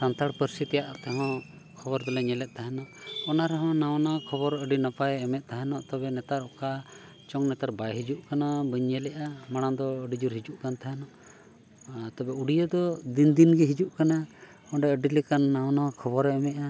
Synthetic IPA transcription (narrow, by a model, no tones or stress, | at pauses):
sant̪aɽpəɾsit̪ɛjaʔt̪ɛɦɔ̃ | kʰɔbɔɾd̪ɔlɛɲɛlɛʔ̪̚t̪aɦɛnɔʔɔnaɾɛɦɔ̃nawnakʰɔbɔɾəɖinapajɛmɛʔ̪̚ˀt̪aɦɛnɔʔt̪ɔbɛnɛt̪aɾɔka | t͡ʃɔŋnɛt̪aɾbajɦid͡ʒuʔkanabəɲɲɛlɛʔamaɽ̃ad̪ɔəɖid͡ʒuɾɦid͡ʒuʔkant̪aɦɛnɔʔ | t̪ɔbɛuɽijəd̪ɔd̪ind̪inɡɛɦid͡ʒuʔkana | ɔ̃ɖɛəɖilɛkanːawnakʰɔbɔɾɛɛmɛʔa